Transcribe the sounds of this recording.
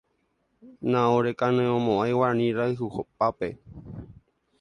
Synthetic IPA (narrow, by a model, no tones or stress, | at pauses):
nãoɾekanẽõmõʔajwanĩɾaɨɦuhop̚ape